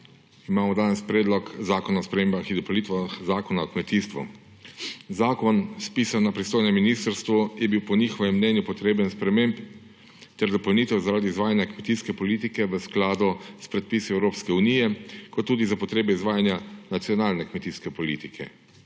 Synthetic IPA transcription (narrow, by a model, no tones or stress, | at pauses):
imaːmɔd̪aːnɛspɾɛːd̪lɔkzaːkɔnaɔspɾɛmeːmbaxid̪ɔpɔlnit̪ʋaxzaːkɔnaɔkmɛt̪iːst̪ʋṵ | zaːkɔnspiːsanːapɾist̪oːjnɛmːiniːst̪əɾst̪ʋujɛbiwpɔnixɔʋɛmːnɛnjupɔt̪ɾeːbənspɾɛmemp | t̪ɛɾd̪ɔpɔlniːt̪ɛwzaɾaːd̪iːzʋaːjanjakmɛt̪iskɛpɔlit̪ikɛʋəsklaːd̪ɔspɾɛt̪̚piːsɔɛwɾoːpskɛunijɛkɔt̪ːuːd̪izapɔt̪ɾeːbɛizʋaːjanjanat̪siɔnaːlnɛkmɛt̪iskɛpɔliːt̪ikʰɛ̰